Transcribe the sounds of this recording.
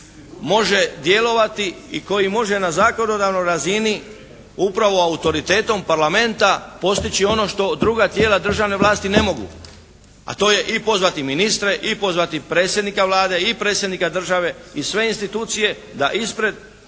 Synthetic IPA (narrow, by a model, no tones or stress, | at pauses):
mo̞ʒe̞d̪je̞lo̞ʋat̪iiko̞jimo̞ʒe̞nazaːko̞no̞d̪aʋno̞jɾazini | upɾaʋo̞aut̪o̞ɾit̪eːt̪o̞mpaɾlame̞nt̪apo̞st̪it͡ɕio̞no̞ʃt̪o̞d̪ɾuɡat̪jeːlad̪r̩ʒaʋne̞ʋlˠaːst̪ine̞mo̞ɡṵ | a̰t̪o̞ːje̞ʔipo̞zʋat̪iminist̪ɾe̞ʔipo̞zʋat̪ipɾe̞ːt̪sjed̪nikaʋlaːd̪e̞ipɾet̪sjed̪nikad̪r̩ʒaʋe̞isʋe̞inst̪it̪uːt̪sije̞ | d̪aʔispɾe̞d̪